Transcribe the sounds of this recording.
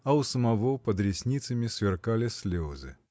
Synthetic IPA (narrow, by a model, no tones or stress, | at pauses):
ɐʊsəmɐvopəd̪ɾʲɪsʲnʲit̪səmʲɪsvʲɪrkalʲɪsʲlʲozɨ̰